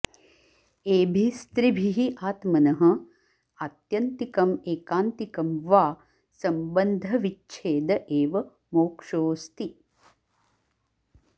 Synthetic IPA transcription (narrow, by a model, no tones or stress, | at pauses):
eːbʱist̪ɾibʱiɦiʔaːt̪mɐnɐɦɐ̆ | aːt̪jɐnt̪ikɐmeːkaːnt̪ikɐmʋaː | sɐmbɐnd̪ʱɐʋit͡ʃːt͡ʃʰeːd̪ɐʔeːʋɐ | moːkʂoːst̪i